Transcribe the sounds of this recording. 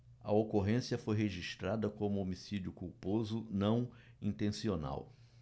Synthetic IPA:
ɐ̰okoɦẽsjɐfojɦeʒiʃt̪ɾad̪ɐkõmʊomisid͡ʒʊkuwpozʊnɐ̃w̃ | ĩnt̪ẽsiona̰w

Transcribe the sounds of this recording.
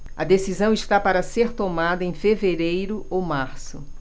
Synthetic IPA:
ɐd̪esizɐ̃w̃ist̪apaɾɐseɾt̪omad̪ɐẽfeveɾejɾʊowmaɾsʊ

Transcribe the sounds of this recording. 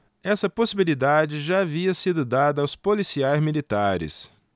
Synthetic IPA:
ɛsɐposibilid̪ad͡ʒɪʒaːviɐsid̪ʊd̪ad̪ɐːwspolisiajzmilit̪aɾɪ̰s

